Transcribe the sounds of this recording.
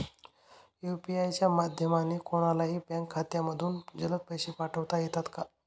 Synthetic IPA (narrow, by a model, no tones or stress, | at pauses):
jupiajt͡ɕjamad̪ʱjəmanikoɽ̃alaɦiːpɛ̃ŋkʰːat̪jaməd̪ʱuːnd͡ʑələt̪̚pəjɕiːpaʈʰəʋt̪ajet̪at̪ka